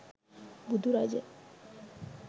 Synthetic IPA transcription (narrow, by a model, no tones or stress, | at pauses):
bud̪ʱuɾajd͡ʒe